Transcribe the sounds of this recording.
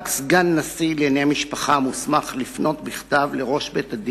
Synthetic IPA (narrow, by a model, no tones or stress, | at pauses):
ksɡanːasilenejamiʃpaχamusmaχlifno̞tbiχtavleʁo̞ʃbetad̪